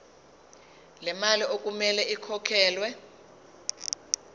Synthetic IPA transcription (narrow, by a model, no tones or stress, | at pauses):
lɛmaliʔok̬ʼumɛlɛikʰɔkʰɛːlwɛ